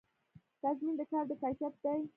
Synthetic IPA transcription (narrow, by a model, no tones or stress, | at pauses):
t̪azmind̪əkɑɾd̪əkɑjʃap̚d̪aj